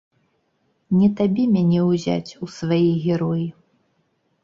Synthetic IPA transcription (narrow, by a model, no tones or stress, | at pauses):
nʲɛt̪abʲɛmʲanʲɛwzʲa̰t͡sʲusvajiɣʲɛɾɔji